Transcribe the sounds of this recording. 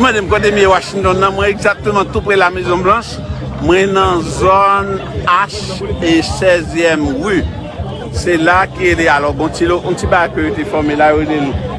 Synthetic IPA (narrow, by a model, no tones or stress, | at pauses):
mɑ̃d̪em̩kɔd̪emiewaʃĩnt̪ɔnːɐ̃mwɛ̃eɡzak̚t̪ømãt̪upʁɛlamezɔ̃blãʃ | mwɛ̃nɐ̃zonaʃesɛzjɛmʁy | selakiɣelealɔbɔ̃t͡siloʔɔ̃t͡sibaɡajkøjot̪efɔʁmelajoɣelelũ